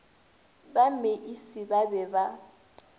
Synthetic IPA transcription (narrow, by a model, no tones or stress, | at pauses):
bameʔisɪbabɛba